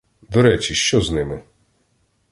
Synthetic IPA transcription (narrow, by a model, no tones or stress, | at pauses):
d̪ɔɾɛt͡ʃʲiʃt͡ʃɔznɪmɪ